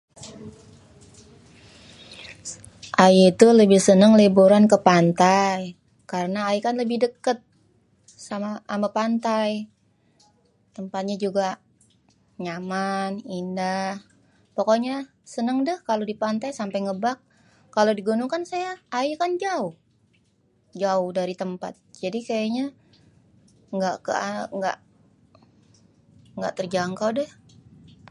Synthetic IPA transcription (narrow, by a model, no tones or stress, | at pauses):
ʔajiit̪uləbɪhsənəŋlebuɾankəpant̪aj | kaɾənaːjikanləbɪhdəkət̪̚ | samaʔːmapant̪aj | t̪əmpat̪̚ɲad͡ʒuɡa | ɲamanindah | pokoɲa | sənəŋdəhkalodipant̪ajsampajŋəbak̚ː | alodiɡunuŋkansajaːjakand͡ʒaʊh | d͡ʒaʊhdaɾit̪əmpa̰t̪̚d͡ʒadikajaɲa | ŋɡaʔkə̰aŋɡa̰ʔ | ŋɡa̰ʔt̪ərd͡ʒaŋkawdɛh